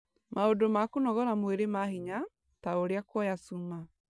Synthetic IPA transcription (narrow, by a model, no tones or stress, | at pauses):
maodomakonɔɣɔɾamweɾemahiɲa | taoɾeakwɔjasuma